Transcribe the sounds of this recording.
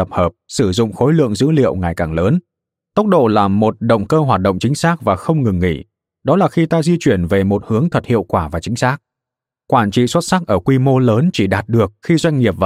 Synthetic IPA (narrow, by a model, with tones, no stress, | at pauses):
ə˨˩p̚həː˨˩p̚sɨ˧˩zʊ̰˧˨ŋ͡mxo˨˦jlɨ̰˧˨əŋzɨ̰˧˥lḭ˧˨əwŋa˨˩jkaː˨˩ŋləː˨˦n | t̪ə˦˥wk͡p̚ɗo̰˧˨laː˨˩mo˨˩t̚ɗə̰˧˨ŋ͡mkəː˧ɦwaː˨˩t̚ɗə̰˧˨wŋ͡mt͡ɕï˨˦ŋ̟saː˦˥k̚vaː˨˩xə˧wŋ͡mŋɨ˨˩ŋːḭ˧˩ | ɗɔ˨˦laː˨˩xi˧t̪aː˧zi˧t͡ɕwi˧˩ənve˨˩mo˨˩t̚hɨ˨˦əŋt̪ʰə˨˩t̚hḭ˧˨əwkwaː˧˩vaː˨˩t͡ɕï˨˦ŋ̟saː˦˥k̚ | kwaː˧˩nt͡ɕḭ˧˨swə˦˥t̚sa˦˥k̚ʔəː˧˩kwi˧mo˧ləː˨˦nt͡ɕi˧˩ɗaː˨˩t̚ɗɨ˨˩ək̚xi˧zwa˧jŋ̟ŋi˨˩əp̚v